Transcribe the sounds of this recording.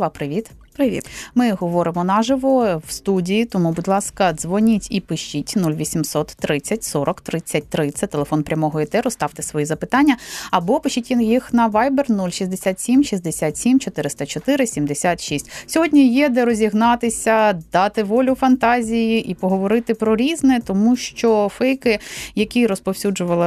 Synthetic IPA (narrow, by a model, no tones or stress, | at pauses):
ʋɑpɾɪʋʲit̪pɾɪḭt̪mɪɦɔʋɔɾɪmɔnɑʒɪʋɔwst̪udʲijit̪ɔmubʊdʲlˠɑskɐzʋɔnʲitʲipɪʃt͡ʃitʲnulʲʋʲisʲimsɔt̪ːɾɪt͡sʲːɐtʲsɔɾɔkt̪ɾɪt͡sʲːɐt̚ʲt̪ɾɪt͡sʲːɐt̪elˠefɔnpɾʲɐmɔɦɔɛt̪ɛɾʊst̪ɑʋt̪ɪsʋɔjizɐpɪt̪ɑnʲːɐɐbɔpɪʃitʲjixnɐʋɑjbɛrnulʲʃizʲd̪esʲat̪sʲimʃizʲd̪esʲat̪sʲimt͡ʃɔt̪ɪɾɪst̪ɐt͡ʃɔt̪ɪɾɪsʲimd̪esʲat̪ʃisʲtʲsʲɔɦɔdʲnʲijɛd̪ɛɾɔzʲiɦnɑt̪ɪsʲɐd̪ɑt̪ɪʋɔlʲʊfɐnt̪ɑzʲijiʔipɔɦɔʋɔɾɪt̪ɪpɾɔɾʲiznɛt̪ɔmuʃt͡ʃɔfɛjkɪjɐkʲiɾɔspɔwsʲud͡ʒʊʋɐlˠɪ